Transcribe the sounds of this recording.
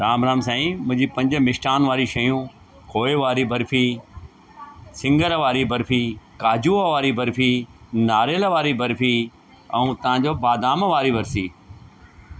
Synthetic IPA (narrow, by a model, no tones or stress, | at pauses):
ɾaːmɾaːmsãːĩmʊ̃ɦɪ̃ɲd͡ʑiːpɐ̃ɲd͡ʑəmɪʃʈaːnʋaːɾiʃɐjũ | kʰoːeʋaːɾibʱɐɾfʰiː | sɪ̃ŋɡəɾʋaːɾibʱɐɾpʰiːkaːd͡ʑuʋaːɾibʱɐɾpʰiːnaːɾjəlʋaːɾibʱɐɾpʰiː | ɐ̃ũːt̪ɐʋ̤ãːɲd͡ʑoːbaːd̪aːmʋaːɾiʋɐɾsiː